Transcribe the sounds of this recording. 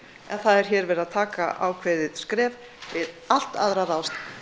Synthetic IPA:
ɛnθaðɛɾ̥çɛːɾvɛːɾaðt̪ʰaːkaʔa̰wkʰvɛðɪskɾɛːv | vɪð | al̥t̪a̰ðɾaɾaws

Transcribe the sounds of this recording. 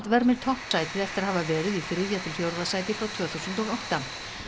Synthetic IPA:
t̪vɛɾmɪɾ̥t̪ʰɔht̪saːjt̪ɪðɛft̪ɪɾahavavɛːɾɪðifɾɪðjat̪ʰɪlfjowɾðasaːjt̪ɪfɾawt̪ʰv̥œːθuwsʏnt̪ɔɣawht̪a

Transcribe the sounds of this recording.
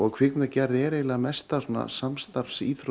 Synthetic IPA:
ɔɣkʰv̥ɪkmnacɛɾðɛːɾeːjlamɛst̪asɔːna̰samst̪aɾfsiːθɾ

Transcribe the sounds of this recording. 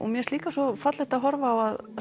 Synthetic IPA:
ʔɔ̰mjɛst̪liːkasɔfat̪lɪht̪aðɦɔɾvaːwað

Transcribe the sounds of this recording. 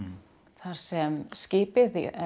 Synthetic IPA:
θaɾ̥sɛmscɪːpɪð

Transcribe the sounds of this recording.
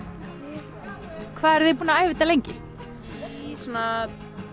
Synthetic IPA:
kʰvaːðɛɾðɪpuːnaaːjvɪt̪alejɲcɪ | suna

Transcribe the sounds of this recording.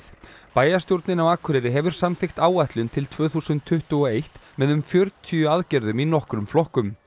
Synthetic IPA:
paːjast̪jowɾt̪nɪnawaːkʰʏɾɛɾɪɦɛvʏɾ̥samθɪxt̪aːwaht̪lʏnt̪ʰɪlt̪ʰv̥œːθusʏnt̪ʰːʏht̪ʏɣɔejht̪mɛðʏmfjœɾt̪ʰiʏaðcɛɾðʏminɔhkɾʏmflɔhkʏm

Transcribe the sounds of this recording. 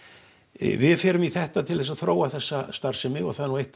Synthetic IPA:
vɪðfjɛːɾʏmiθɛht̪at̪ʰɪlðɛsaðθɾoːwaθɛsːast̪aɾ̥sɪmɪɔ̰ɣθaðɛɾnuejht̪

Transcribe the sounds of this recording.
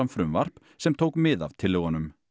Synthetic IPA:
amfɾʏmvar̥p | sɛmt̪ʰoːwkmɪða̰vt̪ʰɪlːeɣanːʏm

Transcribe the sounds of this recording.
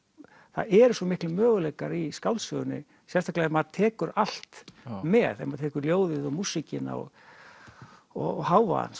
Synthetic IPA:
θa̰ðɛɾʏsɔmɪhklɪmœːɣʏlɛkaɾiskawlsœɣʏnːɪ̰ | sɛnst̪aklaɛmaðt̪ʰɛːkʏɾal̥t̪mɛːðɛ̰maðt̪ʰɛːkʏɾljoːwðɪðɔɣmusːɪcɪna̰ɔ̰ɣ | ɔ̰ɣhaːwva̰a̰ns

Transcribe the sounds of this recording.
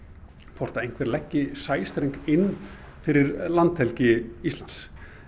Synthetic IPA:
pʰɔr̥t̪aejŋ̥kvɛɾlɛcːɪsaːjst̪ɾejŋkɪnː | fɪɾɪɾlant̪hɛlcɪislans

